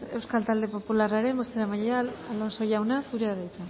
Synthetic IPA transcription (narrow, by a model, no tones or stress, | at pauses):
e̞wskalt̪ald̪e̞po̞pularaɾe̞mbo̞st̪eɾamajalalo̞nso̞jawnasuɾeaðajt̪a